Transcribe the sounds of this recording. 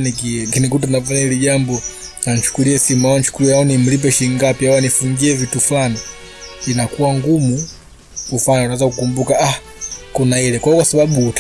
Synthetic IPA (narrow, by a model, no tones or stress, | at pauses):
nikikinikut̬anafaɲailiʄambɔnan̩t͡ʃu̥kuliɛsimawant͡ʃu̥kuliɛaɔnim̩lip̬ɛʃiŋɡapiawanifuŋɡiɛvitufulani | inakuwaŋɡumu | kufanaawɛzakukumbukaa | kunailɛkwaɔkwasaɓaɓut